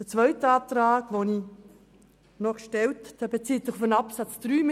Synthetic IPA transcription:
d̥ət͡sʋœʏtəɑːp̚t̪ɾaːɡʋoni | nɔχʃtɛltd̥ɛbet͡siːt̪sɪχfənɑpsat͡sd̥ryːm

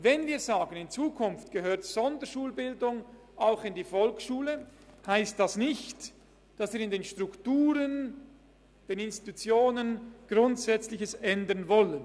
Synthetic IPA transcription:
vɛnviːɐzaːɡənɪnt͡suːkʰʊnftɡ̥əhøːɐtz̥ɔndəʃuːlbɪldʊŋ | aʊxɪndiːfɔlkʃuːləhaɪst̚d̥asnɪçt | d̥ɑsviːɐɾɪndeːnʃtʁʊktuːɾən | d̥eːnɪnsti̥tut͡sjoːnənɡ̥ʁʊntsɛt͡slɪçəsɛndənvɔlən

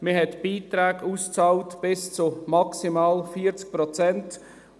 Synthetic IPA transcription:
məɦɛtb̥iːtɾɛːɡuːst͡sɑːltb̥ɪst͡sumɑksimaːlfiːəɾt͡sk̚pɾɔt͡sɛnt

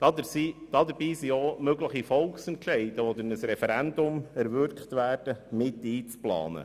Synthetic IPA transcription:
d̥ɑdəsid̥ɑd̪əɾbiːsiomøɡləχifɔlˠksɛntʃɛɪd̥əɔd̪əɾnəsɾɛfɛɾænd̪ʊmɛɾvʏɾkχt̪ʋæːɾd̥əmɪtiːt͡splɑ̰ːnə̰

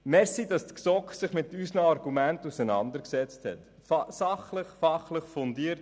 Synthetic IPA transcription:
mɛsidɑstksɔksɪχmɪtysnəɑɾɡ̥umæntusɛnɑ̰ndəɾksɛt͡sthɛ̰t | sɑχləχfɑχləχfɔndiəɾt

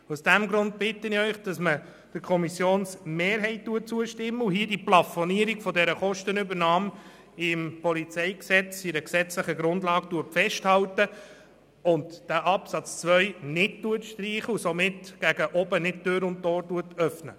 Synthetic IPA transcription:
usd̥æmɡɾʊnt̚b̥ɪtːənɪœʏχd̥ɑsmə | d̥əkʰɔmisjoːnsmeːɾɦɛɪt̚tuət̚t͡suəʃtɪmːəuɦiədiplɑfɔniəɾiɡ̥fɔdɛɾəχɔʃtənʏbəɾnɑːm | ɪmpɔlit͡sɛɪksɛt͡sɪɾəksɛt͡sləχəɡɾʊndlɑːɡ̚tuətfɛʃthɑltə | ʊndd̥æːʔɑpsɑt͡st͡sʋœʏnɪd̚tuətʃtriːχəusomɪtɡ̥æɡəʔɔbənɪt̚tøːɾʊnttoːɾtuətœfnə̰

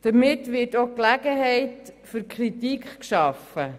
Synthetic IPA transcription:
d̥̪əɾmɪtʋɪːɾtoklæɡəɦɛɪtfʏɾkʰɾitikχkʃɑfə

